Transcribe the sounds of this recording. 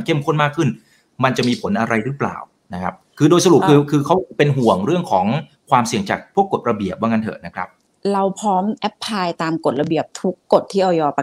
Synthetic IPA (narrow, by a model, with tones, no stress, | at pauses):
nkʰe˥˩mkʰo˥˩nmaː˥˩kʰːɯ˥˩n | ma˧nt͡ɕa˨˩ʔmiː˧pʰo˩˦nʔa˧ɾa˧jɾɯː˦˥pla̰ː˨˩w | na˦˥kʰa˦˥p̚kʰɯː˧doː˧jsa˧ɾu˨˩p̚kɯː˧kʰɯː˧kʰa˦˥wpe˧nɦu˨˩əŋɾɯ˥˩əŋkʰɔː˩˦ŋ | kʰwaː˧msi˨˩əŋt͡ɕaː˨˩k̚pʰu˥˩əkːo˨˩t̪̚ɾa˧bi˨˩əp̚waː˥˩ŋa˥nt̪ʰɤ̰ː˨˩na˦˥kʰɾa̰˦˥p̚ | ɾa˧wpʰɾɔː˦˥mʔɛ˦˥pʰːaː˧jt̪aː˧mko˨˩t̪̚ɾa˧bi˨˩əp̚t̪ʰu˦˥kːo˨˩t̪ʰːiː˥˩ʔa˧wjɔː˧pa˧